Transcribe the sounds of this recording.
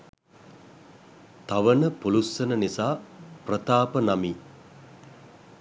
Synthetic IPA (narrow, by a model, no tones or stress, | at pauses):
t̪aʋənəpulusːənənisaːprət̪aːpənamiː